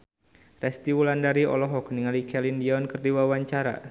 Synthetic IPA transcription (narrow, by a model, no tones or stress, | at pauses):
rɛst̪iwulandaɾiɔ̰lɔɦɔkniŋalikʰɛlindiɔnkɨrdiwawaɲt͡ʃaɾa̰